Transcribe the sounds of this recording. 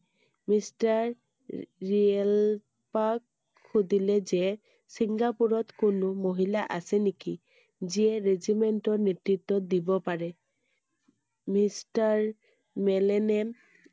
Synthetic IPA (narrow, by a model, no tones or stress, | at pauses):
mistaɹ | ɹiɛl | pak̚ | xudilɛzɛ | siŋɡapuɹɔtkʊnʊmoɦilaʔasɛniki | ziɛɹezimɛntɔɹnetɹitːɔdibɔpaɹɛ | mistaɹ | mɛlɛnɛm